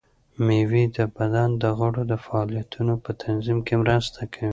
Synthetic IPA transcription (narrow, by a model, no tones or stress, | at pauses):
mewid̪əbad̪and̪əɣəɽod̪əfaɑlijat̪unopət̪ʰanzimkemɾəst̪ʰakʰawi